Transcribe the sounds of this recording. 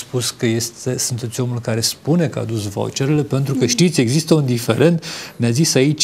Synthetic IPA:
spuskəje̞st̪esunt̪e̞t̪sʲo̞mulkaɾe̞spune̞kəa̰d̪usvo̰t͡ʃeɾele̞pe̞nt̪ɾukəʃt̪it̪sʲe̞ɡzist̪əund̪ife̞ɾe̞nt̪nʲazisait͡ʃʲ

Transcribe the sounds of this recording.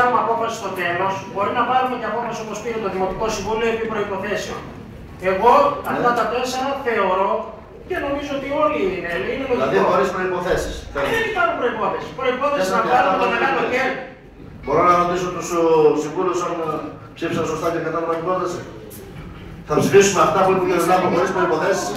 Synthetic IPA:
ɐmɐpo̞fɐsi̥st̪o̞t̪e̞lo̞sbo̞ɾinɐpɐɾumeceɐpo̞fɐso̞po̞spiɾet̪o̞ðimo̞t̪iko̞siɱvulioepipɾo̞ipo̞θe̞seo̞̰n | e̞ɣo̞ɐt̪ɐt̪ɐt̪oesɐnoθe̞o̞ɾo̞ | ce̞no̞mizoot̪io̞liinelineloðioxoɾespɾo̞ipo̞θesi̥sɐenikɐlopɾo̞ipo̞θesi̥pɾo̞ipo̞θesisnɐɐɾot̪oɐkɐt̪oeɾ | bo̞ɾonɐɾot̪isot̪ososiɱvulusɐn | psifisɐnsost̪ɐkekɐt̪ɐt̪opɾoipo̞θesi | θɐpsifisumeɐft̪ɐpuep̪ukeznɐpoxoɾispɾoipo̞θesis

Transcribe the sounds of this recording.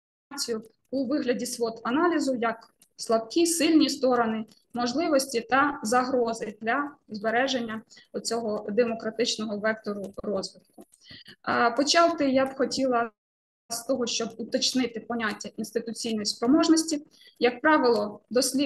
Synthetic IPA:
t͡sʲijʊ | uʋɪɦlʲɐdʲisʋɔt̪ɐnɑlʲizʊjɐk | slˠɐbkʲisɪlʲnʲist̪ɔɾɔnɪ | mɔʒlˠɪʋɔsʲtʲit̪ɐzɐɦɾɔzɪd̪lʲɐzbeɾɛʒenʲːɐɔt͡sʲɔɦɔd̪emɔkɾɐt̪ɪt͡ʃnɔɦɔʋɛk̚t̪ɔɾʊrɔzʋɪt̪̚kʊ | pɔt͡ʃɑw̪ˠt̪ɪjabxɔtʲilˠɐ | st̪ɔɦɔʃt͡ʃɔbut̪ɐt͡ʃnɪt̪ɪpɔnʲatʲːɐʔinst̪ɪt̪ʊt͡sʲijnɔjispɾɔmɔʒnɔsʲtʲi | jɐk̚pɾɑʋɪlˠɔd̪ɔsʲlʲi

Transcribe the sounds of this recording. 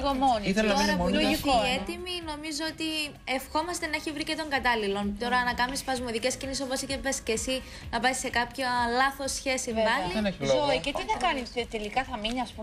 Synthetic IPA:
ɣomoniieloɾɐuifk̪ioet̪imino̞mizoot̪i | e̞fxo̞mɐst̪e̞nɐeçivɾicet̪o̞ŋɡɐt̪ɐlilo̞nt̪o̞ɾɐnɐkɐmispɐzmoðice̞sciniseso̞po̞siçepesce̞si | nɐpɐisːe̞kɐpçɐlɐθo̞sçe̞siɐlineçoicet̪iθɐkɐnist̪elikɐθɐminiɐspu

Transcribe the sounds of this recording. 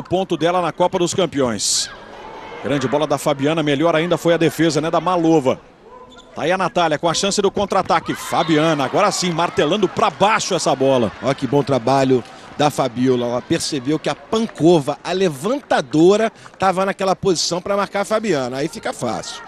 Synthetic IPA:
ʊpõnt̪ʊd̪ɛlɐnɐkɔpɐd̪ʊskɐ̃mpiõj̃s | ɡɾɐ̃nd͡ʒɪbɔlɐd̪ɐfabiɐ̃nɐmeʎɔɾaĩnd̪ɐfojɐd̪efezɐnɛd̪ɐmalovɐ̰ | t̪aiɐnat̪aljɐkõɐʃɐ̃sɪd̪ɪkõnt̪ɾat̪aɾkɪfabiɐ̃nɐaɡɔɾɐasĩmaɾt̪elɐ̃nd̪ʊpɾɐbaʃʊɛsɐbɔlɐ̰ɔkɪbõt̪ɾabaʎʊ | d̪ɐfabiwlɐɛlɐpeɾsebewkɪɐpɐ̃kovɐʔɐlevɐ̃nt̪ad̪oɾɐt̪avɐnakɛlɐpozisɐ̃w̃pɾɐmaɾkaɾfabiɐ̃nɐːifikɐfa̰sɪʊw

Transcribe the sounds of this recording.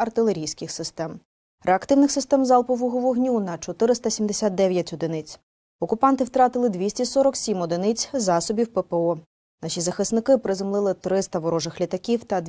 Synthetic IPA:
ɐrt̪ɪlˠeɾʲijsʲkɪxsɪst̪ɛm | ɾʔeɐkt̪ɪwnɪxsɪst̪ɛmzɑlˠpɔʋɔɦɔʋɔɦnʲunɐt͡ʃɔt̪ɪɾɪst̪ɐsʲimd̪esʲat̪̚d̪ɛʋʲjɐtʲɔd̪ɪnɪt͡sʲ | ɔkʊpɑnt̪ɪwt̪ɾɑt̪ɪlˠɪd̪ʲʋʲisʲtʲisɔɾɔksʲimɔd̪ɪnɪt͡sʲzɑsɔbʲiwpepeɔ | nɑʃʲizɐxɪsnɪkɪpɾɪzʊmlˠɪlˠɪt̪ɾɪst̪ɐʋɔɾɔʒɪxlʲit̪ɐkʲiwt̪ɐd̪

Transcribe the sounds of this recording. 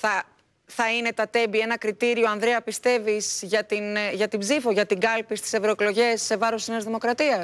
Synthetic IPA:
θɐ | θɐine̞t̪ɐt̪e̞mbie̞nɐkɾit̪iɾio̞ɐnðɾeɐpist̪e̞viz̥ʝɐt̪inʝɐt̪ibzifo̞ʝɐt̪iɡɐlpist̪i̥se̞vɾo̞eklo̞ʝe̞sːe̞vɐɾosisnezðimo̞kɾɐt̪iɐs

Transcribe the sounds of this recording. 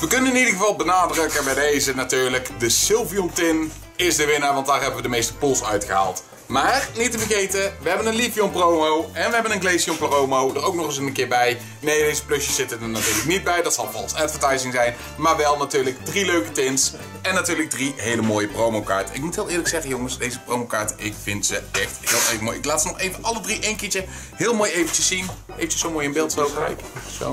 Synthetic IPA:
ʋəkɵnənɪnidəɣəvɑlˠbənaːdrɵkəbɛjdejzənatyːɹləkdəsɪlˠviɔntɪn | ɪzdəʋɪnaːɹʋɑntdaːɹɦɛbəʋədəmejstə̥pulˠsœ̰ɥtxəɦa̰ːlˠt | maːrnitəvəɣejtəʋəɦɛbənənlifjɔmprowmowɛnʋəɦɛbənənɡlejsiɔmplarowmowdərowknɔχɪs̬ənənkɪːɹbɛj | nejdejzəplɵsjəsz̥ɪtənənatyːɹləknid̚bɛjdɑtsɑlˠfɑ̰lˠsɛtfətɑjsɪŋzɛjn | maːɹʋɛlˠnatyːɹləkdriløɥkətɪns | ɛnːatyːɹləɡ̚driɦejləmoːjəprowmowka̰ːɹtəɪkmutɦɪːlˠɪːɹləksɛχəjoŋəsdejzəprowmowkaːɹtəʔɪkfɪntz̥əʔɛχtɦɪːlˠejvəmoːjɪklaːtsənɔχejvəʔɑlədriʔejnkɪːt͡ʃə | ɦɪːlˠmoːjejvənt͡ʃəsːin | ejvənt͡ʃə̥sowmoːjɪnbɪːlˠtowprɛ̰jkso̰

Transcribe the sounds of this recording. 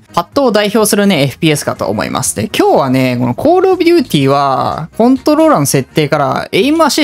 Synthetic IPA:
hat̪ːo̞ːd̪aiço̞ːsɨɾɯ̟ne̞ːɸɯ̟̥pʲiːe̞sɨ̥ka̰t̪o̞̰ːmo̰ḭmʔa̰sɨ̥nekʲo̞ːβane̞ko̞no̞kʰo̞ːɾobʲɯ̟ːt̪ʲiːβakõ̞nt̪o̞ɾo̞ɾanose̞t̪ːe̞ːkaɾa̰eimɯaɕi

